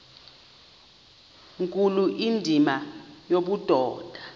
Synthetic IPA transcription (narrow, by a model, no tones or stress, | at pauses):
ŋkʼuluʔindʱimajoɓud̥ʱɔːd̥ʱa